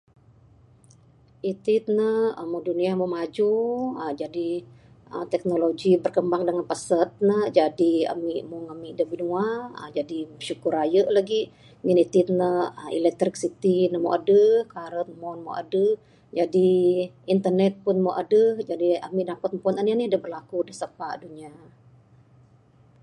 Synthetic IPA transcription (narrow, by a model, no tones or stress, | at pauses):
ʔit̪it̪̚nəhəmoduniamomad͡ʒuəd͡ʒadi | ə̰mt̪ɛk̚noloɡibərkəmbaŋdəŋanpəsət̪̚nəhd͡ʒadia̰miʔmuŋamidəbinuaə̰d͡ʒadiʃukurɾajəʔlaɡi | munit̪it̪̚nəḭlɛk̚t̪ɾɪksit̪inəmoʔadəhkaɾənmonmo̰ʔa̰dəh | d͡ʒadi | int̪ərnɛt̪̚pʊnmoʔadəhd͡ʒadia̰miʔdapət̪̚mpɔnanianiadəhbərlakudəsəpaʔduɲa